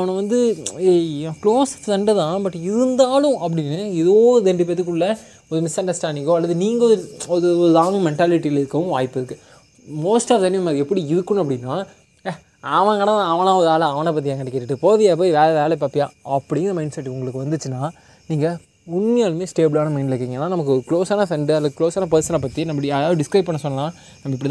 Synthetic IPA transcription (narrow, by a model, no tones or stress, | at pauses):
ɐʋɐnɐ̃ʋɐnd̪ɯekloːsst̪ɐɳɖɐðãːbɐʈːɪɾɯnd̪aːlʊ̃ɐpːɐɽɪnːɯɪðoːðɛɳɖipet̪ːɯk̬ːɯɭːɐ | ɔɾɯmɪsɐɳɖɐsʈaːɳɖɪŋɡoːɐlːɐðɯniːŋɡɐɔðɔðɯɔɯðaːŋɡɯ̃mɛɳʈaːlɪʈːiɪlɪɾɯkːɐʋɯ̃ʋaːjɪpːɪɾɯkːɯ | moːsʈaːfd̪ɐnːɪjɐmaːɾiɛpːɐɽiɪðɯkːɯnɐp̬ːɐɽɪnːaː | ɐʋɐ̃ɡɐɽɐ̃ãɐʋɐ̃nãːɔɾaːlɐ̃ɐʋɐ̃nɐp̬ɐt̪̬ːɪjãːkɐɽɛkːeʈːɯʈːɯpoːðɪjap̬oːjʋeːɭɛʋeːlɛp̬aːpːɪjãːɐpːɐɽɪjɪnd̪ɐmɐɪnɳɖsɛʈːʊŋɡɐɭɯkːɯʋɐnd̪ɯt͡ʃːɯnːaː | niːŋɡɐ | ʊɳmɐjaːlmeːsʈeːbɯlaːnɐmɐɪɳɖɪlɐɾkːiːŋɡɐenːaːnɐmɐkːɯɔɾɯkɭoːsaːnɐfɛɳɖɯɐlːɐðɯkloːsaːnɐpɐɾsɐnɐpːɐt̪ːinɐmːbɐɽiɐðaːʋɯɖɪskɾɐɪpːɐɳːɐ̃sɔnːɐlãː | nɐmːɐɪpːɐɽit̪ãː